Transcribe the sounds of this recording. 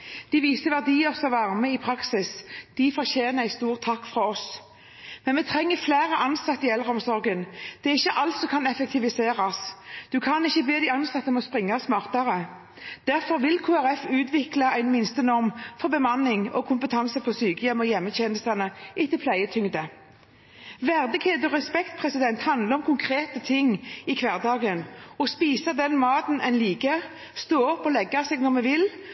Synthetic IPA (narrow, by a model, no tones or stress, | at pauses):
d̪̥ɪʋiːsəʋæʁd̪iːəsɔʋɑʁməɪpʰʁɑksɪsd̪̥ɪfɔʁçeːnəæɪst̪uːʁt̪ʰːɑkːfʁɑɔs | mɛnmɛt̪ʰʁɛŋːəflæːʁəʔɑnsɑt̪ːɪɛlʁəɔmsɔʁɡənd̪̥ɛɪçːəʔɑlt̪sɔkʰɑnɛfək̚t̪ʰɪʋɪseːɾɑsd̪̥ʉkʰɑnɪçːəbeːd̪æɪɑnsɑt̪ːəmɔspʁɪŋːɑsmɑːʁt̪ɑʁə | d̪̥æʁfɔɾʋɪlkʰuːæɾɛfʉːt̪ʰʋɪklɑæɪnmɪnst̪ənɔʁmfɔɾbəmɑnːɪŋɔkʰʊmpət̪ʰɑnsəpʰɔsyːkəjɛmɔjɛmːəɕɛnəst̪ɑnəʔɪt̪əpʰlæɪət̪ʰʏŋd̪ə | ʋæʁd̪ɪɡheːd̪ɔʁɛspɛkt̪pʰʁɛsɪd̪ɛnt̪hɑnd̪ləɔmkʰʊŋkʰɾeːt̪ət̪ʰɪŋːɪkʰʋæʁd̪ɑːɡənɔspiːsɑd̪ɛnmɑːt̪n̩ʔɛnliːɡə | st̪oːɔpːɔlɛɡːɑsɛːɡnɔʁmɛʋɪl